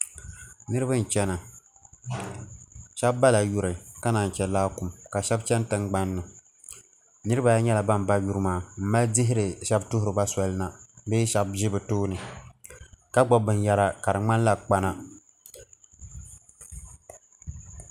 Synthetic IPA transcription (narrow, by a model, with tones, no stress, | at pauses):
nɨ˦ɾɨ˦bɨ˦n˨t͡ʃɛ˦na˨ | ʃɛ˦bːa˦la˨ju˨ɾɨ˨ka˦na˨n˨t͡ʃɛ˨laː˦ku˨mka˨ʃɛ˦bt͡ʃɛ˦n˦tɨ˦ŋɡ͡ba˦nːɨ˨ | nɨ˦ɾɨ˦ba˨ja˦ɲɛ˦la˨ba˦m˨ba˦ju˦ɾɨ˦maː˦m̩˦ma˦ldɪ˦ɦɪ˦ɾɨ˨ʃɛ˦btʊ˦ɦʊ˨ɾɨ˨ba˦sɔ˨lɨ˦na˨beː˦ʃɛ˦b̚ʒɪ˦bɨ˨toː˦nɨ˨ | ka˦ɡ͡bɔ˨bɨ˨nja˨ɾa˨ka˨ɾɨ˨ŋ͡ma˦n˦la˨k͡pa˦na˦